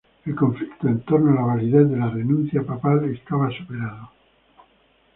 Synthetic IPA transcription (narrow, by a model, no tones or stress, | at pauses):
elkoɱflikt̪oent̪oɾnoalaβaliðeθðelarenũnθjapapalest̪aβasupeɾaðo